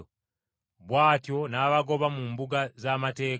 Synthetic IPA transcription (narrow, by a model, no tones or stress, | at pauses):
βwaːtjonaβaɡo̞βamumbuɡazamateː